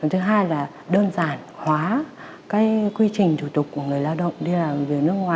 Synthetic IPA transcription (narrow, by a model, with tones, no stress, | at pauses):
t͡ɕə˨˩ŋ͡mt̪ʰɨ˨˦ɦaː˧jlaː˨˩ | ɗəː˧nzaː˧˩nhwaː˨˦ | kaː˨˦jkwi˧t͡ɕï˨˩ŋ̟t͡ɕu˧˩t̪ʊ˨˩k͡p̚kːu˧˩əŋɨ˨˩əjlaː˧wɗə̰˧˨wŋ͡mɗi˧laː˨˩vi˨˩əwnɨ˦˥ək̚ŋwaː˨˩